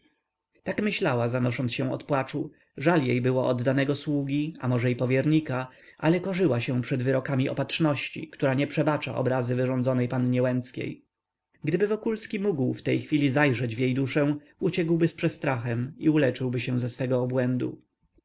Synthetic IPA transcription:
t̪akmɘɕlawazanɔʂɔnt̪sɕɛ̃w̃ɔ̰t̪pwat͡ʂu | ʐaljejbɘwɔʔɔd̪ːanɛɡɔswuɡʲia̰mɔʐɛipɔvʲjɛɾɲika | ʔalɛkɔʐɘwaɕɛ̃pʂɛd̪vɘɾɔkamʲiʔɔ̰patʂnɔɕt͡ɕḭkt̪uɾaɲɛpʂɛbat͡ʂa̰ʔɔ̰bɾazɘvɘʐɔnd̪zɔnɛjpanɲɛwɛnt̪skʲḛj | ɡd̪ɘbɘvɔkulskʲimuɡwft̪ɛjxfʲilʲizajʐɛd͡ʑvʲjejd̪uʂɛw̃ | ut͡ɕɛɡwbɘspʂɛst̪ɾaxɛmiulɛt͡ʂɘwbɘɕɛ̃w̃zɛsfɛɡɔːbwɛnd̪ṵ

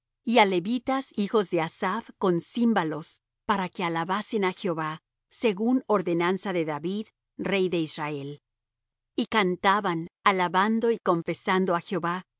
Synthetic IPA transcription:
iale̞βit̪asixo̞zðe̞asaβko̞nsimbalo̞s | paɾake̞alaβase̞naxeo̞βa | se̞ɣuno̞ɾðe̞nansaðe̞ðaβið | re̞jðe̞izrae̞l | ikant̪aβanalaβand̪o̞iko̞ɱfe̞sand̪oaxeoβa

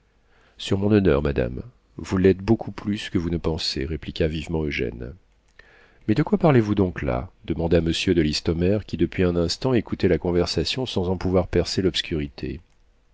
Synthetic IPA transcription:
syʁmɔ̃nɔnœ̰ʁmad̪a̰m | vulɛt̪̚bokʰuplyskəvunəpɑ̃seʁeplikʲavivmɑ̃øʒɛ̰n | mɛd̪əkwapaʁlevud̪ɔ̃kla̰d̪̥əmɑ̃d̪aməsjød̪əlist̪ɔmɛʁkʲid̪əpɥiɛ̃nɛ̃st̪ɑ̃ekut̪ɛlakɔ̃vɛʁsasjɔ̃sɑ̃zɑ̃puvwaʁpɛʁselɔpskʲyʁit̪ʰḛ

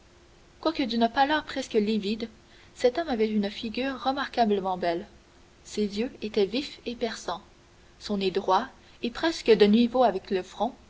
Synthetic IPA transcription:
kwakəd̪ynpalœːʁpχɛskəlivid̪ | sɛt̪ɔmavɛynfiɡʲyːʁːəmaʁkabləmɑ̃bɛl | sezjøet̪ɛvifepɛʁsɑ̃ | sɔ̃ned̪ʁwa | epχɛskəd̪ənwivoavɛkləfχɔ̃

